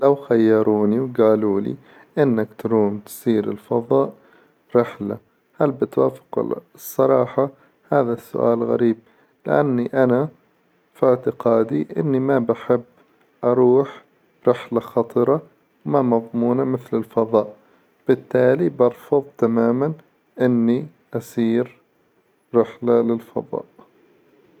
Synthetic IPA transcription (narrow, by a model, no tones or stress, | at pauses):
lawxajːɑɾˤuːniwɡaːluːlḭ | ʔɪnːakt̪ɾuːmt̪siːɾɪ̰lfɑðˤɑːʔ | ɾɪħla | halbɪt̪waːfɪ̥qɪ̰la̰ | sˤːɑɾˤɑːħɑ | haːðasːʊ̰ʔa̰ːlɣa̰ɾiːb̚ | lɪ̰ʔa̰nːiʔana | fɪʕt̪ɪqɑːd̪iʔɪ̰nːimabaħɪbː | ʔɑɾˤuːħ | ɾɪħlaxɑt̪ˤɨɾˤɑ | wmamɑðˤmuːnamɪθlɪlfɑðˤɑːʔ | b̥ɪt̪ːaːlibɑɾˤfʊðˤt̪amaːman | ʔɪnːi | ʔasiːɾ | ɾɪħlalɪlfɑ̰ðˤɑ̰ːʔ